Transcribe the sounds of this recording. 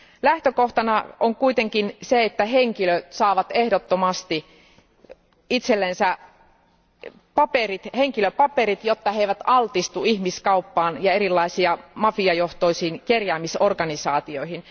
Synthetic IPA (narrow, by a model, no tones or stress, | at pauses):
læht̪økoht̪ɑnɑoŋkuit̪eŋkinseet̪ːæɦeŋkiløt̪sɑːʋɑt̪ehdot̪ːomɑst̪i | it̪selːensæ | pɑperit̪heŋkiløpɑpeɾit̪jot̪ːɑheiʋæt̪ɑlt̪ist̪uihmiskɑupːɑːnjɑeɾilːɑisiɑmɑfiɑjoht̪oisiːnkerjæːmisorkɑnisɑːt̪ioihin